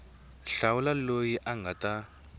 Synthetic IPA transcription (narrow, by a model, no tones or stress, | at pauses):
ɬawulalojiʔaŋɡʱata